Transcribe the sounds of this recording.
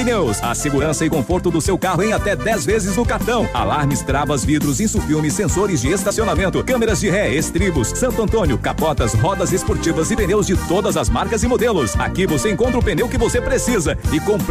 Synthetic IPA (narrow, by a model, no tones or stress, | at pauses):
inewsɐ̰seɡuɾɐ̃sɐɪkõfoɾt̪ʊd̪ʊsewkaɦʊẽj̃at̪ɛd̪ɛzvezɪznʊkaɾt̪ɐ̃w̃a̰laɾmɪst̪ɾavɐzvid̪ɾʊzẽsufiwmɪsːẽsoɾɪzd͡ʒɪest̪asionamẽnt̪ʊkɐ̃meɾɐzd͡ʒɪɦɛest̪ɾibʊsːɐ̃nt̪ʊɐ̃nt̪õnjʊkapɔt̪ɐsɦɔd̪ɐzespoɾt͡ʃivɐzɪpẽnewzd͡ʒɪt̪od̪ɐzɐzmaɾkɐzɪmod̪elʊsa̰kivoseẽŋkõnt̪ɾʊpẽnewkɪvosepɾesizɐɪkõp